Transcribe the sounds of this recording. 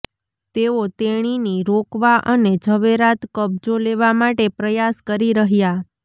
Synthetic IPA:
t̪eot̪eɽ̃iniɾokʋaʔəned͡ʒʱəʋeɾat̪kəb̚d͡ʒoleʋamaʈepɾəjaskəɾiɾəɦja

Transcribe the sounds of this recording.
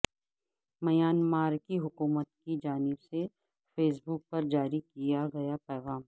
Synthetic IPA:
mɐjaːnmaːɾkiɦʊkuːmət̪̚kid͡ʒaːnɪbse | feːs̬bʊk̚pɐɾd͡ʒaːɾikijaɡɐjapɛːɣaːm

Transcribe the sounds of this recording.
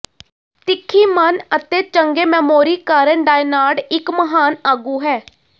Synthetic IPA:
t̪ɪkʰːiːmənət̪eːt͡ʃəŋɡeːmɛːmoːɾiːkaːɾəɳɖaːɪnaːɽɪkməɦaːnaːɡuːɦɛː

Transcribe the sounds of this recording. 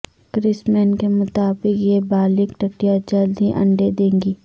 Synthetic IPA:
kɾɪsmɛːnkemʊt̪aːbɪkjebaːlɪkʈəʈijad͡ʒɐld̪ʱiʔɐ̰̃ɳɖed̪ẽːŋɡiː

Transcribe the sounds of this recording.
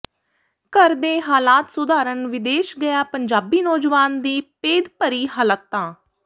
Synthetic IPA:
kəɾd̪eːɦaːlaːt̪sʊd̪aːɾənʋɪd̪eːʃɡəjaːpəɲd͡ʒaːbiːnɔːd͡ʒʋaːnd̪iːpeːd̪pəɾiːɦələt̪ːãː

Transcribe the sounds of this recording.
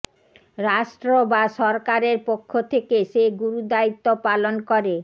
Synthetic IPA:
ɾaʃʈɾobaʃɔɾkaɾeɾpokʰːot̪ʰekeʃeɡuɾud̪ait̪ːopalonkoɾe

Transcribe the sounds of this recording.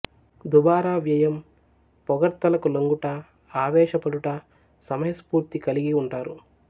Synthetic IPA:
d̪ubaːɾaːʋjɐjɐm | pɔɡɐɾt̪ɐlɐkuloŋɡuʈɐ | aːʋɛːʃɐpɐɽuʈɐ | sɐmɐjɐspuːɾt̪ikɐliɡiuɳʈaːɾu

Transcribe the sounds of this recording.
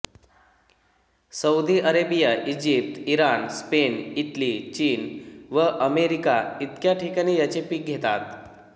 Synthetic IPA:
səud̪iʔəɾebijaʔid͡ʑip̚t̪iɾanspeniʈlit͡ɕiːnʋəʔəmeɾikait̪kjaʈʰikaɽ̃iːjat͡ɕepiːk̚ɡʱet̪a̰t̪

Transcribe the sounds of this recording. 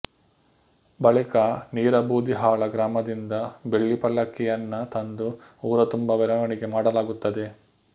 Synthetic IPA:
bɐɭikɐniːɾɐbuːd̪iɦaːɭɐɡɾaːmɐd̪ind̪ɐbe̞ɭːipɐlːɐkːɛjɐnːɐt̪ɐnd̪uuːɾɐt̪umbɐʋɛɾɐʋɐɳiɡe̞maːɽɐlaːɡut̪ːɐd̪e̞

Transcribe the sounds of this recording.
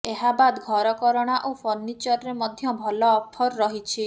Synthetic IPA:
eɦabad̪ɡʱɔɾɔkɔɾɔɽ̃aʔopʰɔɾnit͡ʃɔɾɔɾemɔd̪ʱjɔbʱɔlɔːpʰɔɾːɔɦit͡ʃʰi

